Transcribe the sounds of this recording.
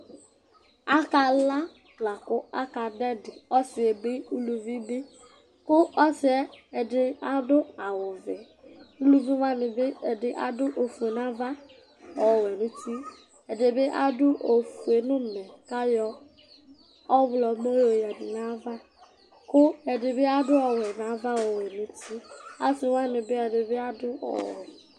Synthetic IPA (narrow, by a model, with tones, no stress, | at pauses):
a˦ka˧la˦ | tla˨kʊ˦a˦ka˨dɛ˦dɪ˨ɔ˦sɪ˨e˨bɪ˦u˦lu˨vi˦bɪ˦ | kʊ˦ʔɔ˦sɪ˨ɛ˦ɛ˨dɪ˦a˦dʊ˦a˨wʊ˨vɪ˨ | u˦lu˦vi˦ma˦mɪ˨bɪ˦ɛ˨dɪ˦ʔa̰˦dʊ˦ʔo˨fu˨e˨na˦va˦ | ɔ˨wɛ˨nũ˦ti˦ | ɛ˨de˨be˦ʔa̰˦dʊ˦ʔo˨fu˨e˨nʊ̃˦mɛ̃˨ka˦jɔ˦ | ɔ˦vlɔ˨mo˦jo˨ja˨ni˨nã˦va˦ | kʊ˦ɛ˨dɪ˨be˦a˦dʊ˦ɔ˨wɛ˨nã˨˦va˦wɔ˨wɛ˨nũ˦ti˦a˦sɪ˨wa˦mɪ̃˨be˦ɛ˨de˨be˦a˦dʊ˦ɔ̰˨wɔ̰˨